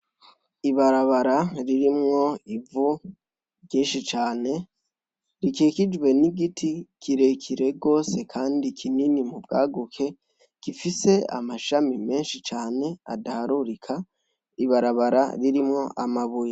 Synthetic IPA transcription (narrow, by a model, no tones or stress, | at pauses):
iβaɾaβaɾaɾiɾimŋo̞ivu | ɟeːnʃit͡ʃaːne̞ | ɾikeːkid͡ʒweniɡitʰikʰiɾe̞kʰiɾe̞ɡo̞ːse̞kʰaːndikʰininimubɡa̰ːɡukʰe̞ | ɡ̥ifise̞a̰maʃamime̞ːnʃit͡ʃaːne̞a̰dahaɾuɾikʰa | iβaɾaβaɾa̰ɾiɾimŋo̞ʔamaβuja